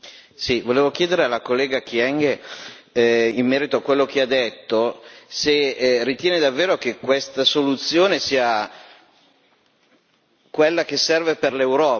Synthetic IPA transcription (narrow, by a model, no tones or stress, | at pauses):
sivoleːvok̟jeːd̪eɾealːakolːeːɡakjɛŋɡe | imːɛːɾit̪oakwelːok̟ead̪et̪ːoserit̪jɛeːned̪avːeːɾok̟ekːwest̪asolut̪sːjoːnesiːa | kwelːak̟esːɛrveperlewɾɔː